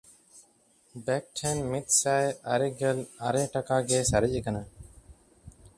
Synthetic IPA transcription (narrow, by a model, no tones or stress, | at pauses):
bɛk̚ʈʰɛnmit̪̚ˀsajaɾɛɡɛlaɾɛʈakaɡɛsaɾicəkana